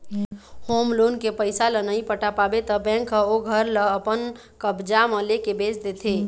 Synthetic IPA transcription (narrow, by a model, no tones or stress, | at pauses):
hoːmloːnkepəɪsalənəĩpəʈapaːbet̪əbɛ̃ːkːəoɡʱəɾləəpən | kəbd͡ʒamə̃lekebeːsd̪et̪ʰeː